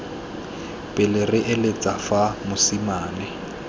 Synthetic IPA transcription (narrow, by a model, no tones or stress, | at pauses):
pʼɪlɪrɪʔɪlɪt͡sʼafamʊsimaːnɪ